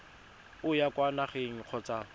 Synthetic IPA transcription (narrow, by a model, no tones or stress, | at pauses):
ʊjakʼwanaχeŋ̩q͡χʰɔt͡sa